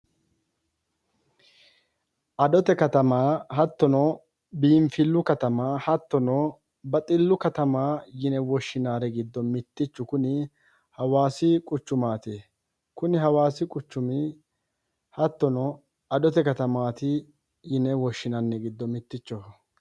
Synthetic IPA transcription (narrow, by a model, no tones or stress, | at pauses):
ʔɐd̪ɔt̪ɛkɐt̪ɐmaːhɐt̪ːɔnɔ | biːɱfɪlːʊkɐt̪ɐmaːhɐt̪ːɔnɔ | bɐt̪ʼɪlːʊkɐt̪ɐmaːjɪnɛwɔʃːɪnaːɾɛɡɪd̪ːɔmɪt̪ːɪt͡ʃːʊkʊnɪ | hɐwaːsɪkʼʊt͡ʃːʊmaːt̪e | kʊnɪhɐwaːsɪkʼʊt͡ʃːʊmɪ | hɐt̪ːɔnɔ | ɐd̪ɔt̪ɛkɐt̪ɐmaːt̪ɪ | jɪnɛwɔʃːɪnɐnːɛɡɪd̪ːɔmɪt̪ːɪt͡ʃːɔ